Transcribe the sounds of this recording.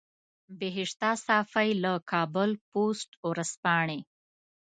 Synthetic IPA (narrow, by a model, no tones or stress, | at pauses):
beɦɪʂt̪ɑsɑfajləkʰɑbʊlposʈwɾaspɑɳe